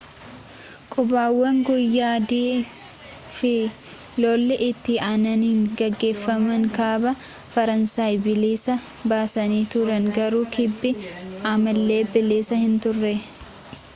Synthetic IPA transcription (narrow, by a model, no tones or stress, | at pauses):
kʼʊbaːwːɐŋɡʊjːaːd̪iː | fɪ | lɔːlːɛʔɪt̪ːɪʔaːnɐniːŋɡɐɡːe̞ːfːɐmɐŋkaːbɐ | fɐɾɐnsaːjbɪleːsɐ | baːsɐniːt̪ʊɾɐŋɡɐɾuːkʰɪbːɪamɐlːe̞ːbɪleːsɐhɪnt̪ʊrːɛ